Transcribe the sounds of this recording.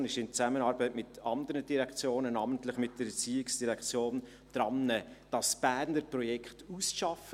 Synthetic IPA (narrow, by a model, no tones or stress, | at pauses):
nɪʃɪnt͡sæmənɑːɾbətmɪtɑndəɾəd̥iɾɛkt͡sjoːnənɑːməntlɪχmɪt̚d̥əɾət͡siːɪksd̥iʁɛkχt͡sjoːn | d̥ɾɑnːəd̥ɑsb̥æːnəpɾɔjɛkχtusʃɑfə